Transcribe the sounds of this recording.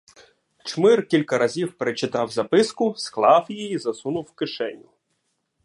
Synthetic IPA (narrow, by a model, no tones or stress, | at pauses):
t͡ʃmɪrkʲilʲkɐɾɐzʲiwpeɾet͡ʃɪt̪ɑwzɐpɪskʊsklˠɑwjijizɐsunʊwkɪʃɛnʲʊ